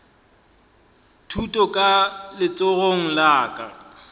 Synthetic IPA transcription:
tʰutʼɔkʼalɪt͡sʼoɣoŋ̩laːkʼa

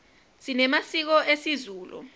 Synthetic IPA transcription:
sinɛmasik̬ɔʔesizuːlṵ

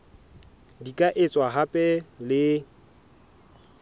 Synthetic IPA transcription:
dikʼaʔɪt͡sʼwaɦapʼɛlɪ

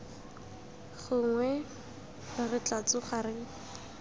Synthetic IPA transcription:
χʊŋwɛ | rɪrɪt͡ɬat͡sʊχarɪ

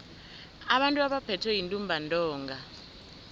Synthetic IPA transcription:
aɓantʼuaɓapʰɛtʰwɛjintʼumbʱantʼɔːŋɡʱa

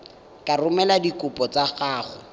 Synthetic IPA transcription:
kʼarʊmɛladikʊpʼɔt͡saχaːχʊ̰

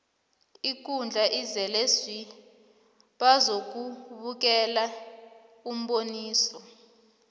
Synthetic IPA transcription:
ik̬und͡ɮʱaʔizɛlesi | ɓazok̬uɓuk̬ɛla | um̩ɓoniːsɔ

